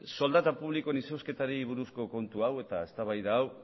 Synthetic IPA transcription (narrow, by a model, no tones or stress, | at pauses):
so̞ld̪at̪apuβlikoenisewske̞t̪aɾiβuɾusko̞ko̞nt̪uawe̞t̪ae̞st̪aβajðaːw